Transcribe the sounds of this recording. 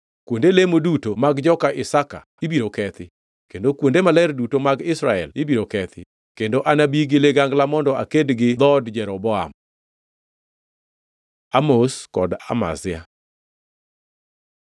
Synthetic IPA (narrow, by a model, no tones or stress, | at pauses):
kwondelemodutomaɡd͡ʒɔkaʔɪsaka̰ | ibiɾokɛt̪ɪ | kendokwondemalɛrdutomaɡɪsɾaɛlibiɾokɛt̪ʰɪ̰ | kendoʔanabiɡɪleɡaŋɡlamɔndɔakedɡɪd̪ɔdd͡ʒɛɾɔbɔa̰m | amoskɔda̰ma̰zɪja̰